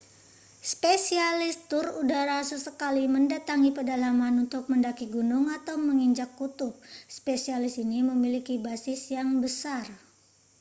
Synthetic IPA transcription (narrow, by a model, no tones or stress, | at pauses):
spesialɪst̪ʊrudaɾasəsəkaliməndat̪aŋipərdalamanunt̪ʊk̚məndakiɡunʊŋat̪awməŋiɲd͡ʒakːut̪ʊp̚spesialɪsiniməmilikibasɪsjaŋbəsar